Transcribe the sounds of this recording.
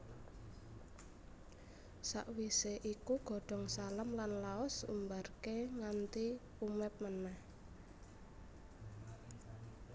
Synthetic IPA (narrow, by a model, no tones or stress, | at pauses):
sa̰ʔwiseʔikuɡ̥ɔ̤ɖ̥ɔ̤ŋsalamlanlaɔsṵmbarkeŋant̪i | umɛp̚mənah